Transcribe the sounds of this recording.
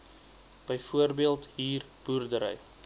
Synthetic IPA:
b̥əjfuərbiəlˠtɦiːr | b̥uːrdəɾə̰j

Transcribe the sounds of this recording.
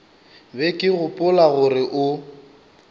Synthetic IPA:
bɛkʼɪɣʊpʼʊlaɣʊrɪʔʊ

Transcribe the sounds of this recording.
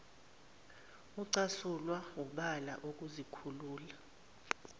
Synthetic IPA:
uǀasulwawuɓala̰ʔuk̬ʼuzikʰuluːla

